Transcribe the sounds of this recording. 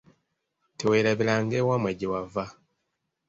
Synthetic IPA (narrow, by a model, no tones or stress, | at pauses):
teweːɾaβilaŋɡeːwamweɟiwava